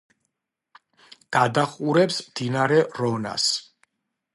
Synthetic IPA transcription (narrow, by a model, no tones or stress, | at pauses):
ɡ̥ad̪aχuɾɛpsmd̪inaɾɛɾɔna̰s